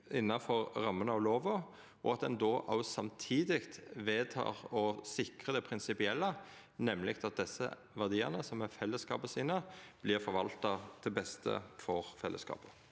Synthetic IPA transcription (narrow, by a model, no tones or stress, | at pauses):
ɪnːɑfɔʁʁɑmːənəɑʋloːʋə | ɔ̰ɑt̪̚d̪ɛnd̪oːʔɑʊsɑmt̪ʰiːd̪ɪkt̪ʋeːt̪ʰɑ̰ːʁɔsɪkʁəd̪ɛpʰɾɪnsɪpɪɛlːə | nɛmːlɪkt̪ɑt̪̚d̪ɛsːə̰ | ʋæʁd̪iːə̰ʁnəsɔmɛfɛlːəskɑ̰ːpəsiːnəb̥lɪːʁfɔɾʋɑlt̪ɑd̪̥ʰɪbɛst̪ʰə̰fɔʁfɛlːʔə̰skɑ̰ːpə̥